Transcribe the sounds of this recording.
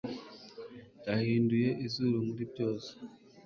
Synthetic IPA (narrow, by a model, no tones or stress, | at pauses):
tahiːnduje̞ʔizuɾumuɾibɟoːzo̥